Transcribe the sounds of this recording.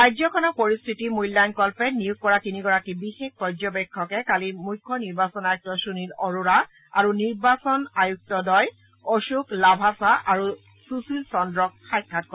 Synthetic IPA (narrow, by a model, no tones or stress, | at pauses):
ɹajzɔkʰɔnapoɹistʰitimujlːajnkɔlpɛnijuɡ̚kːɔɹatiniɡɔɹakibixex̚pɔzɔbɛkʰːɔkɛkalimujkʰːɔniɹbasɔnajuk̚tɔsunilɔɹuɹa | aɹuniɹbasɔnajuk̚tɔdɔj | oʃuklabʱasaʔaɹu | susilsɔndɹɔk̚xajkʰːat̚kɔ